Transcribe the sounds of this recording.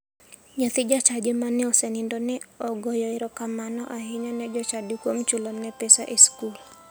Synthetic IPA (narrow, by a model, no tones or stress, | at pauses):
ɲɔt̪id͡ʒat͡ʃad͡ʒɛmanɛɔsɛnindɔnɛɔɡɔjɔiɾɔkamanɔʔaɦiɲɔnɛd͡ʒɔt͡ʃadikwomt͡ʃulɔnːɛpɛsa̰ʔiskul